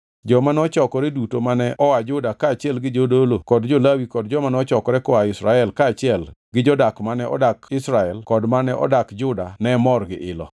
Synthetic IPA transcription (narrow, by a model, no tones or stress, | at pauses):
d͡ʒɔmanɔt͡ʃɔkɔɾɛdutomanɛʔɔwad͡ʒʊdakaːt͡ʃɪɛlɡɪd͡ʒodolokɔdd͡ʒolawikɔdd͡ʒɔmanɛɔt͡ʃɔkɔɾɛkɔaɪsɾaɛlkaːt͡ʃɪɛlɡɪd͡ʒɔdakmanɛʔɔ̰dakɪsɾaɛlkɔdmanɛʔɔ̰dakd͡ʒʊdanɛmɔrɡɪ̰ʔɪlɔ̰